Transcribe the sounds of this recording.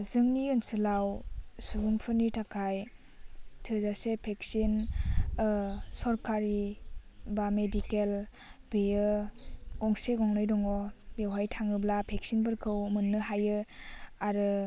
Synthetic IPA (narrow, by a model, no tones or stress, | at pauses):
zɯŋniɯnsɯlawsubumpʰɯnitʰakʰaj | tʰɯzasepʰeksin | sɔɾkaɾi | bamedikel | bejɯ | ɡɔŋseɡɔŋnɯjdɔŋɔbewɦajtʰaŋɯblapʰek̚sinbɯɾkʰɯwmɯnːɯɦajɯaɾɯ